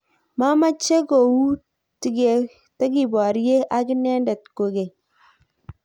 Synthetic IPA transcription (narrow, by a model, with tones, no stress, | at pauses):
ma˦ma˦t͡ʃe˦ɡo˨wu˦ | ti˨ɡe˨ | ta˦ɡi˨bɔ˨ɾje˦ʔa˦ki˦nɛ˦ndɛ˨t̚ko˨ɡe˨